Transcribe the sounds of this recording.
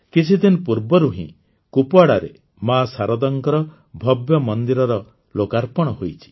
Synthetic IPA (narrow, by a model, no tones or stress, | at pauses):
kit͡ʃʰid̪inpuɾbɔɾuɦḭ̃ | kupɔaɽaɾe | masaɾɔd̪ɔŋkɔɾɔ | bʱɔbjɔmɔnd̪iɾɔɾɔ | lokaɾpɔɽ̃ɔɦojt͡ʃʰi̥